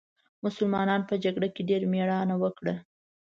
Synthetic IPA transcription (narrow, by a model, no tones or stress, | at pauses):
mʊsʊlmɑnɑnpəd͡ʒaɡɽakeɖeɾmeɽɑnawəkɽə